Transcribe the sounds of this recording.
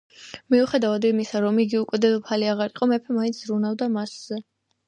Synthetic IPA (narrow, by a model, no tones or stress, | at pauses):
miuχɛd̪avad̪imisaɾɔmiɡiukʼwɛd̪ɛd̪ɔpʰaliaʁaɾiqʼɔmɛpʰɛmaint̪sʰzɾunavd̪amasz̥ɛ